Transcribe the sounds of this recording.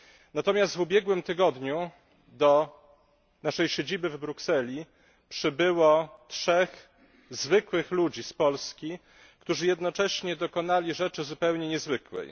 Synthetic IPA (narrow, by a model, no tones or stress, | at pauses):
nat̪ɔmʲjast̪vubʲjɛɡwɘmt̪ɘɡɔd̪ɲu | d̪ɔ | naʂɛjɕed͡ʑibɘvbɾuksɛlʲi | pʂɘbɘwɔtʂɛx | zvɘkwɘxlud͡ʑispɔlskʲi | kt̪uʐɘjɛd̪nɔt͡ʂɛɕɲɛd̪ɔkɔnalʲiʐɛt͡ʂɘzupɛwɲɛɲɛzvɘkwɛ̰j